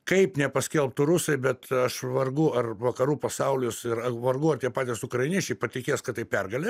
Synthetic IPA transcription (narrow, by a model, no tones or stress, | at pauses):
kɐɪpnʲɛpɐsʲkʲɛlˠp̚t̪ʊɾʊsɐɪbʲɛt̪ɐʃʋɐrɡʊɐrʋɐkɐɾuːpɐsɐʊlʲɪsɪɾɐʋɐrɡʊɐrt̪ʲiɛpɑːt̪ʲɪsʊkrɐɪnʲiɛt͡ʃʲɛɪpɐt̪ʲɪkʲeːskɐt̪ːɐɪpʲɛrɡɐlʲe